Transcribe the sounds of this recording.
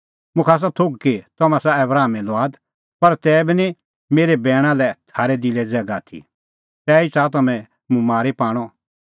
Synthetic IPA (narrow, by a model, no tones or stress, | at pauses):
mʊ̃kʰaːs̬at̪ʰoɡ̚ket̪ɐmãsaɛbɾaːmɛ̃lɔaːd̪ | pɐɾt̪ɛːbinĩ | meːɾebɛːɽ̃ãlɛt̪ʰaːɾɛd̪ilɛd͡zɛɡat̪ʰḭ | t̪ɛːit͡sat̪ɐmɛ̃ | mʊ̃maːɾepaːɽ̃ɔ